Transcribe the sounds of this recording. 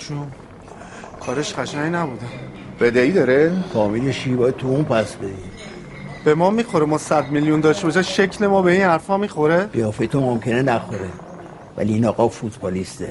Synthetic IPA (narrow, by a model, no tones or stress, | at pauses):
t͡ʃʰu | kʰɒːɾeʃɢæʃæŋnæbud̪e | bed̪eiːd̪ɒːɾefɒːmileʃibɒːjæd̪̚t̪ʰuunpʰæsbed̪i | b̥e̞mɒːmiːxo̞ɾemɒːsæd̪miljund̪ɒːʃt̪eɒʃæʃecʰle̞mɒːbeiːnhæɾfɒmːiːxo̞ɾeʁijɒːfet̪ʰomomkʰenenæxoɾe | væ̰liːnɒːɣɒfut̪ʰbɒːlist̪e